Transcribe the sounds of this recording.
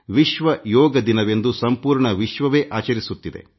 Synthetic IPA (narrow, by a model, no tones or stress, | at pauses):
ʋiʃʋɐjɔːɡɐd̪inɐʋe̞nd̪usɐmpuːɾɳɐʋiʃʋɐʋe̞ːʔaːt͡ʃɐɾisut̪ːid̪e̞̰